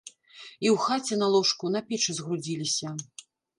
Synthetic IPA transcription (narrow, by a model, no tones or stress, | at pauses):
iwxat͡sʲɛnalˠɔʂkun̪ɐpʲɛt͡ʂɨzɣɾud͡zʲilʲisʲɐ